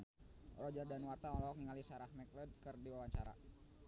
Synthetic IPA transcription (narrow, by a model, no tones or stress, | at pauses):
rɔd͡ʒərdanwart̪aɔlɔɦɔk̚niŋalisaɾahmɛkləd̚kɨrdiwawaɲt͡ʃaɾa̰